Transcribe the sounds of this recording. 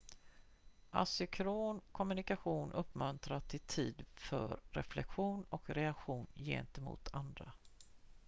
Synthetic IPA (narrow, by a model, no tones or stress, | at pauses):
ʔa̰sʏkʰɾoːnkʰɔmɵnɪkaɧuːnʔɵpːmɵnt̪ɾat̪ʰɪlt̪ʰiːd̪fœ̰ɾɾɛ̰flɛ̰kɧuːnɔkɾɛakɧuːnjḛːnt̪ɛmṵːt̪ʰand̪ɾa̰